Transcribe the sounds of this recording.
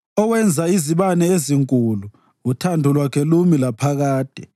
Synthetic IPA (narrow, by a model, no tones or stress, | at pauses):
ɔwɛnd͡zʱaiziɓanɛeziŋkʼulu | utʰandʱulwakʰɛlumilapʰaɣaːd̥ʱɛ